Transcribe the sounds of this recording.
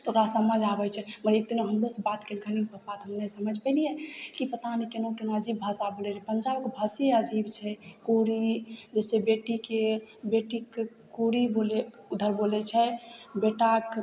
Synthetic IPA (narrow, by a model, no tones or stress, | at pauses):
t̪ʰoɾasəməd͡ʒabɛt͡ʃʰɛməɾek̚d̪inoɦəmɾosebat̪keɡʱənipəpat̪ɦəmnesəməd͡ʒʱpɛlijɛkipət̪anikenõkenõəd͡ʒibbʱasabolɛlipənd͡ʒabkbʱəseəd͡ʒibt͡ʃʰɛkuɾid͡ʒɛsebeʈikebeʈik | kuɾibole | ud̪ʱəɾbolɛt͡ʃʰɛbeʈak